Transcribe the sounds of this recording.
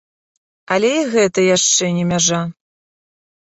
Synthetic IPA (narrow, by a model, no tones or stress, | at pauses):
ɐlʲɛiɣɛt̪ɐjaʂt͡ʂɛnʲɛmʲaʐa